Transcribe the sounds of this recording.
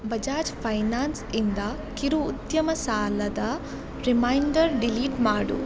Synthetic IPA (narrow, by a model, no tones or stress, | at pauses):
bɐd͡ʒaːd͡ʒpʰɐjnaːnsind̪ɐ | kiɾuːt̪jɐmɐsaːlɐd̪ɐ | ɾimɐjɳɖɐɾɖiliːʈmaːɽṵ